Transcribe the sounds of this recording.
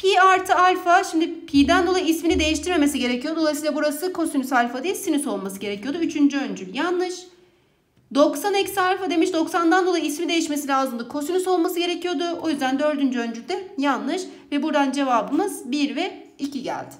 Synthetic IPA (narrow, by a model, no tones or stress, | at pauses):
pʰiaɾt̪ʰɯalʲfaʃimd̪ɪpʰid̪ænd̪o̞lˠajiisminid̪e̞jiʃt̪ʰiɾme̞me̞siɟe̞ɾecʰijod̪oajsiːlˠabuɾasɯkʰo̞synysalʲfad̪ijɛsinyso̞lˠmasɯɟe̞ɾecʰijo̞d̪uyt͡ʃʰynd͡ʒyønd͡ʒyljanːɯʃ | d̪o̞ksanɛcsialʲfad̪e̞miʃd̪o̞ksand̪and̪olˠajiismid̪e̞jiʃme̞silʲaːzɯmd̪akʰo̞synyso̞lˠmasɯɟe̞ɾecʰijo̞d̪ʊʔo̞jyzd̪ænd̪ø̞ɾd̪ynd͡ʒyønd͡ʒyl̚ʲd̪ɛjanlːˠɯʃ | vɛbuɾd̪and͡ʒe̞vabɯmɯzbiɾvɛ | icʰiɟæ̰lʲd̪ɪ̥